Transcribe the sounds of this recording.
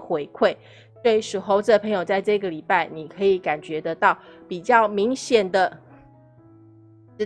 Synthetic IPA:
xwe˧˥ɪkʰwe˥˩ɪ | swe˥˩˧ʂɻ̩˨˩xo˧˥ʊt͡s̩˥˨˩ə˩pʰɤ˧˥ŋjo˨˩ʊt͡sa˥˧ɪʈ͡ʂɤ˥˧ɡə˨˩li˨˩pa˥˩ɪni˨˩kʰɤ˧˥i˨˧˩ka˨˩nt͡ɕɥɛ˧˥t̪ə˧˦t̪ɑ˥˩ʊpi˨˩t͡ɕjɑ˥˩ʊmi˧˥ŋɕjɛ˨˩nd̪ə˨˧

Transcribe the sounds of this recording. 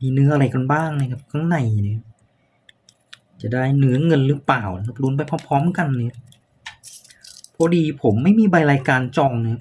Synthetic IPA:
miː˧nɯ˦˥ɐʔa˧ɾa˧jka˧nbaː˥˩ŋna˧˩ka˨˩p̚kʰa˧˥ŋna˨˩jna˧˦˧ | t͡ɕa˨˩daː˥˩jnɯ˦˥ɐŋɤ˧nɾɯː˦˥paː˨˩wa˦˥˩k̚luː˧˦˥np̬a˧jpʰɔ˦˥pʰɔː˦˥mka˧nːɯ˧˦˥ | pʰɔ˧˥diː˧pʰo˩˦mːa˥˩jmiː˧˩ba˧jɾaː˧jkaː˧nt͡ɕɔː˧ŋnɯ˨˧˦

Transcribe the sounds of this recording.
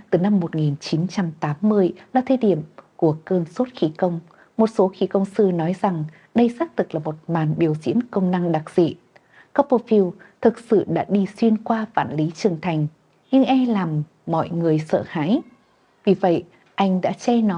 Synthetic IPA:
t̪ɨ˨˩na˧mːo˨˩t̚ŋi˨˩nt͡ɕi˨˦nt͡ɕa˧mt̪aː˨˦mːɨ˧əjlaː˨˩t̪ʰə˧˩ɗḭ˧˨əmku˧˩əkəː˧nso˦˥t̚xi˨˦kə˧wŋ͡m | mo˨˩t̚so˨˦xi˨˦kə˧wŋ͡msɨ˧nɔ˨˦jza˨˩ŋ | ɗə˧jsaː˦˥k̚t̪ʰɨ˨˩k̚laː˨˩mo˨˩t̚maː˨˩nɓi˨˩əwzḭ˧˥ənkə˧wŋ͡mna˧ŋɗa˨˩k̚z̥ḭ˧˨ | ka˦˥po˧fi˧w | t̪ʰɨ˨˩k̚sɨ̰˧˨ɗa̰ː˧˥ɗi˧swi˧ənkwaː˧fa̰ː˧˨nli˨˦t͡ɕɨ˨˩əŋt̪ʰa˨˩jŋ̟ | ɲɨ˧ŋʔɛ˧laː˨˩mː | ɔ̰˧˨jŋɨ˨˩əjsə̰ː˧˨ha̰ː˧˥j | vi˨˩və̰˧˨j | ʔa˧jŋ̟ɗa̰ː˧˥t͡ɕɛ˧nɔ˨˦

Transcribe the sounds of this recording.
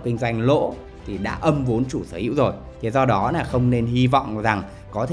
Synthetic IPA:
kï˧ŋ̟zwa˧jŋ̟lo̰˧˥ | t̪ʰi˨˩ɗa̰ː˧˥ʔə˧mvo˨˦nt͡ɕu˧˩səː˧˦hḭ˧˥wzo˨˩j | t̪ʰe˨˩zɔ˧ɗɔ˨˦naː˨˩xə˧wŋ͡mne˧nɦi˧vɔ̰˧˨wŋ͡mza˨˩ŋ | kɔ˨˦t̪ʰ

